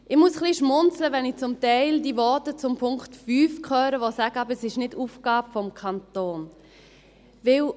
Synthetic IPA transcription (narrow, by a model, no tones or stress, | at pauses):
ʔɪχmusχliʃmʊnt͡sləʋɛnɪt͡sʊmtɛɪldiːvɔtət͡sʊmpʰʊŋktfyːfkχœːɾəʋosaɡ̥əɑːbəɛsɪʃnɪduːfɡ̥aːbfɔmkʰɑntoːn | vɪl